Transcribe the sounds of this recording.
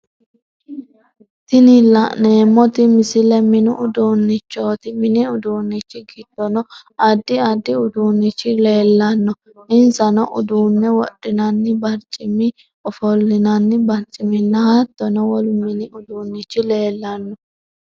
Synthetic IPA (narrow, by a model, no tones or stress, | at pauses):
t̪ɪnɪlɐne̞ːmːɔt̪ɪmɪsɪlɛmɪnʊʔʊd̪unːɪt͡ʃːoːt̪ɪmɪnɪʊd̪uːnːɪt͡ʃːɪɡɪd̪̥ɔnɔ | ɐd̪ːɪɐd̪ːɪʊd̪uːnːɪt͡ʃːɪle̞ːlːɐnːɔ | ʔɪnsɐnɔʔʊd̪uːnːɛwɔ̰ɗːɪnɐnːɪbɐɾt͡ʃʼɪmɪ | ɔfɔlːɪnɐnːɪbɐɾt͡ʃʼːɪmɪnːɐhɐt̪ːɔnɔwɔlmɪnɪʊd̪uːnːɪt͡ʃːɪle̞ːlːɐnːɔ